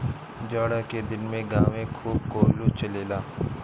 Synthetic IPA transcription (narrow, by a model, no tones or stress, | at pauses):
d͡ʒaːɽaked̪ɪnmẽɡaːʋẽkʰuːb̚koːlut͡ʃɐleːlaː